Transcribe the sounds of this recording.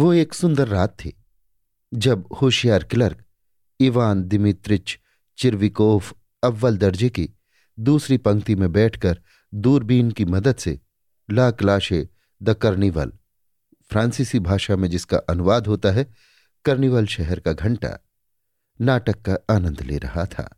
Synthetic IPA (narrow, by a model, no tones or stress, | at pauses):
ʋoeːksʊ̃nd̪əɾːaːt̪ʰːḛː | d͡ʒɐbhoːʃjaːɾkɪləɾk | ɪʋaːnd̪ɪmɪt̪ɾɪt͡ʃ | t͡ʃɪɾʋikoːf | ɐʋːəld̪ɐɾd͡ʒeki | d̪uːsɾipɐ̃ŋkt̪imẽbɛːʈʰkɐɾ | d̪uːɾbiːnkimɐd̪əd̪sḛ | laːklaːʃe | d̪ɐkɐɾniʋə̰l | fʰɾãːnsɪsibʱaːʃamẽd͡ʒɪska̰ʔɐnʊʋaːd̪ɦoːt̪aɦɛ | kɐɾniʋəlʃɛɦɛɾkaɡʱɐ̃ɳʈa̰ | naːʈəkːaaːnə̃nd̪lḛːɾɐɦat̪ʰa̰ː